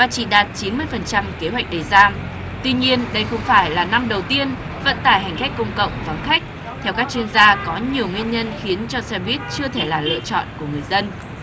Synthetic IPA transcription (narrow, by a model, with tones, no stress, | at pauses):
vaː˨˩t͡ɕḭ˧˨ɗaː˨˩t̚t͡ɕi˨˦nmɨ˧əjfə˨˩nt͡ɕa˧mke˨˦ɦwɛ˨˩k̚ɗe˨˩jzaː˧m | t̪wi˧ɲi˧ənɗə˧jxə˧wŋ͡mfaː˧˩jlaː˨˩na˧mɗə˨˩wt̪i˧ən | və̰˧˥nt̪a̰ː˧˩jɦa˨˩jŋ̟ka˦˥k̟̚kːʊ˧wŋ͡mkə̰˧˨wŋ͡mva˨˩˦nxa˦˥k̚ | t̪ʰɛ˧wkaː˦˥k̚t͡ɕwi˧ənzaː˧kɔ˨˦ɲi˨˩əwŋwi˧ənɲə˧nxi˨˦ənt͡ɕɔ˧sɛ˧ɓi˦˥ət̚t͡ɕɨ˧ət̪ʰe˧˩laː˨˩lə̰˧˨t͡ɕɔ̰˧˨nku˧˩əŋɨ˨˩əjzə˧n